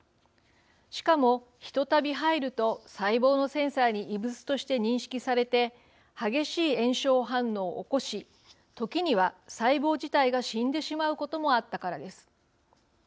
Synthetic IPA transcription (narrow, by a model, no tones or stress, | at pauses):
ɕi̥kamo̞ | çi̥t̪o̞t̪abʲiɦaiɾɯ̟t̪o̞saibo̞ːno̞sẽ̞ɰ̃saːɲ̟iʔːbɯ̟t͡sɨ̥t̪o̞ɕi̥t̪e̞ɲ̟ĩɰ̃ɕi̥kʲisaɾe̞t̪e̞ | haɡe̞ɕiːẽ̞ɰ̃ɕo̞ːɦãnːo̞ːʔːko̞ɕi | t̪o̞kʲiɲ̟iβ̞asaibo̞ːʑit̪aiɡaɕĩnd̪e̞ɕimaɯ̟ko̞t̪o̞mo̞at̪ːakaɾad̪e̞sɨ̥